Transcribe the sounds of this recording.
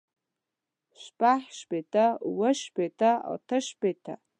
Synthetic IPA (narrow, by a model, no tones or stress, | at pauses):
ʃʷpʼaħʃbetʼawɐʃpetʰa̰ltʰɐʃpʼetʰa̰